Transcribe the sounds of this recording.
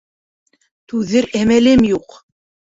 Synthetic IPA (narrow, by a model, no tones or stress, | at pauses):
t̪ʉðɘɾæmælɘmjuq